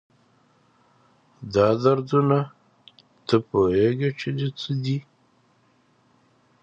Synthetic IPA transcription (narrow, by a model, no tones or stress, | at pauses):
d̪ɑd̪aɾd̪una | t̪əpoɦeɡet͡ʃed̪et͡səd̪i